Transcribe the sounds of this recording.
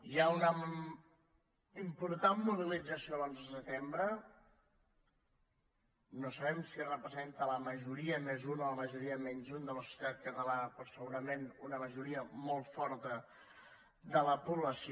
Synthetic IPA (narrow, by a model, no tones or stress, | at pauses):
iaunə | impuɾt̪anmːuβ̞ilid͡zəsiolonzs̬ət̪embɾə | nosəβɛmsirəpɾəzent̪ələməʒuɾiəmezunələməʒuɾiəmɛɲʲzund̪ələsjut̪at̪̚kət̪əlapɾɔsəɣuɾəmenunəməʒuɾiəmɔlˠfɔɾt̪ə | d̪ələpuβləs